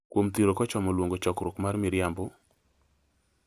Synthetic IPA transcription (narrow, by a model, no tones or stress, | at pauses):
kwomt̪iɾokɔt͡ʃɔmɔlwoŋɡot͡ʃɔkɾʊkmarmɪɾjambo